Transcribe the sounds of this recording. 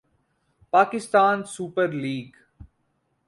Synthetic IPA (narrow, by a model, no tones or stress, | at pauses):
paːkɪst̪aːnsuːpəɾliːɡ